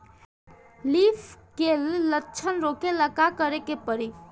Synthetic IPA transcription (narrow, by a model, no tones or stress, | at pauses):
liːfʰkelːətːt͡ʃʰənɾoːkeləkakəɾekepəɾi